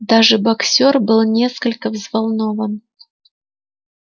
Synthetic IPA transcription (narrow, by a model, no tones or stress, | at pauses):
d̪aʐɨbɐksʲorbɨlˠnʲe̞skəlʲkəvzvalˠno̞vən